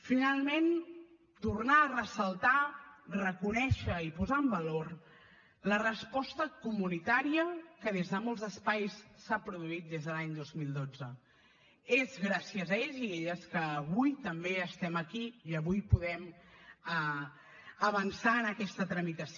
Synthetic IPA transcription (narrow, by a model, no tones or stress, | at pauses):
finalˠmen | t̪urnaːrəsəlˠt̪arəkunɛʃəipuzaəmbəlor | lərəspɔst̪əkumunit̪aɾiəkəðezðəmɔlˠzəspajssapɾuðuit̪̚d̪ezðəlaɲd̪ozmilˠd̪od͡zə | ezɣɾasiəzeʎzieʎəskəːβujt̪əmbeəst̪ɛməkiiəβujpuðɛmə | əβ̞ənsaənəkɛst̪ət̪ɾəmit̪əs